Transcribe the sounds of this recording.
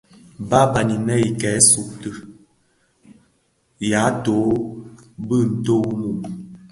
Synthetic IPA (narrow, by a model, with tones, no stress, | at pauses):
ba˦ba˨ni˨nɛ˦i˨kɛ˨˦su˨k̚tə˨ | ja˨˦to˨˦ | bə˦˨n̩˨to˦wmu˨ʔ